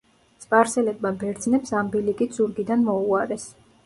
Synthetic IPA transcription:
t̪sʼpʼaɾsɛlɛbmabɛɾd̪znɛpsambilikʼid̪z̥uɾɡid̪anmɔuaɾɛs

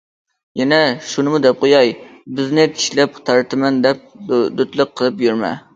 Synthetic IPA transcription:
jɛnɛʃunɨmud̪ɛp̚qojɑjbɪznɪt̪ʰi̥ʃlɛp̚t̪ʰɑɾt̪ʰɨmɛnd̪ɛp̚d̪øt̪lˠɨq̚qʰːəlˠɨpjyɾmɛ̰

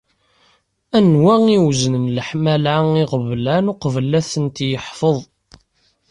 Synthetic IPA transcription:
ænwæŋiwznənləħmælʕaiʁəvlænʊqvəlæθənt̪jəħfəðˤ

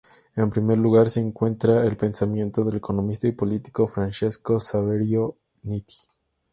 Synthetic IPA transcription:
empɾime̞ɾluɣaɾse̞ːŋkwe̞nt̪ɾaelpe̞nsamjẽ̞nt̪o̞ð̞e̞leko̞nõ̞mist̪aipo̞lit̪i̥kofɾant͡ʃesko̞saβeɾjo | nit̪i̥

